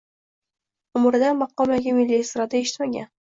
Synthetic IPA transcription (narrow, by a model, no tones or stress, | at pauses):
ʊmɾd̪amɑqːɒmaɡʲamɪlːiest̪ɾad̪ae̞ʃɪ̥t̪maɡʲa̰n